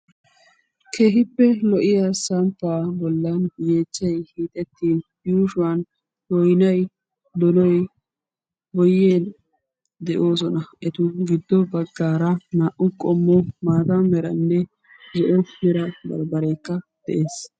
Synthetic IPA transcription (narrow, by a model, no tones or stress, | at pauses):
kʰe̞ːɦɪpːɛlɔʔɪjasɐmpːaːbɔlːɐnjeːt͡ʃːɐjhiːt̪ʼɛt̪ːiːn | juːʃʊɐn | wɔjnɐj | d̪ɔnɔj | bɔjːeːl | d̪ɛʔo̞ːsɔnɐɛt̪ʊɡɪd̪ːɔbɐɡːaːɾɐnaːʔʊkʼɔmːɔmaːt̪amɛɾɐnːɛ | zɔʔɔmɛɾɐbɐ̰ɾbɐɾɛjkːɐd̪̥ɛʔe̞ːs